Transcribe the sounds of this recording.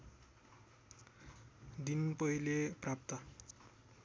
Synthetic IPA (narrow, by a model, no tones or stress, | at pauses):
d̪inpʌɦilepɾap̚t̪a